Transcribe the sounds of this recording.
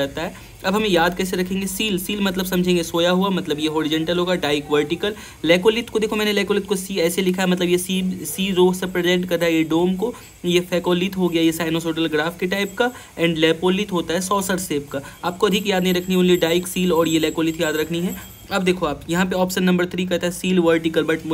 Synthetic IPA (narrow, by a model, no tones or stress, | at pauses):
ɛɦt̪aɦɛ | ɐbɦɐmẽjaːd̪̚kɛːs̬eɾɐkʰẽːŋɡesiːlsiːlmɐt̪̬ləbsɐ̃md͡ʒʱẽːŋɡesoːjaɦuamɐt̪ləbjeɦoːɾɪd͡ʒə̃ɳʈəlɦoːɡaɖaːɪkʋəɾʈɪkəl | lɛːkoːlɪt̪kod̪eːkʰomɛ̃ːnelɛːkoːlɪt̪kosiːɛːselɪkʰaɛmɐt̪ləbjesiːsiːɾoːɦsepɾezẽɳʈkɐɾt̪aɦjeɖoːmko | jefɛːkoːlit̪ɦoɡɐjajesaːɪnosoːʈəlɡɾaːfkeʈaːɪp̚ka | ɛ̃ːɳɖlɛːpoːlit̪ɦoːt̪aɦɛsɔːsəɾseːpkaaːp̚koɐd̪ʱikjaːd̪nɐɦĩɾɐkʰniɦɛʊnliɖaːɪksiːlɔːɾjelɛːkoːlɪt̪jaːd̪ɾɐkʰniɦɛ | ɐbd̪eːkʰoaːpjɐɦãpeɔːpʃənːɐ̃mbəɾt̪ʰɾikɐt̪aɦɛsiːlʋəɾʈɪkəlbɐʈ